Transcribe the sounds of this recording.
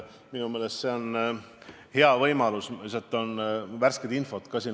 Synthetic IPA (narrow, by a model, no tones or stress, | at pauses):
minume̞ːlest̪se̞o̞n | he̞ɑvɤjmɑlusset̪ːˑo̞nværsked̪info̞t̪kɑsiːn